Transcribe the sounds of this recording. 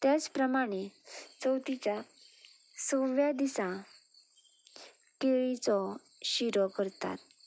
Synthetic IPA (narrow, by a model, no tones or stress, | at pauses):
t̪jat͡spɾəmaɽ̃et͡səwt̪it͡ɕja | soʋjad̪isã | keɭit͡sɔ | ɕiɾɔkəɾt̪a̰t̪